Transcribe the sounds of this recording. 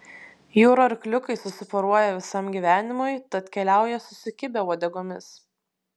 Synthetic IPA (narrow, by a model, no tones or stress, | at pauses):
juːɾɐɾklʲʊkɐɪsʊsʲɪfɔɾuɔjɛʋʲɪsɐmɡʲiˑʋʲæːnʲɪmʊɪt̪ɐt̪kʲɛlʲæˑʊjɛsʊsʲʊkʲɪbʲɛuɔd̪ʲɛɡoːmʲɪs